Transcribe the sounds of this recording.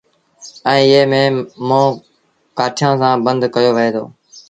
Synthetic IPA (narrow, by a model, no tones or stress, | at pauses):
ɛ̃ːeːmẽːmõː | kaːʈʰjãːsãːbənd̪kəjoːʋɪɦeːd̪o̰ː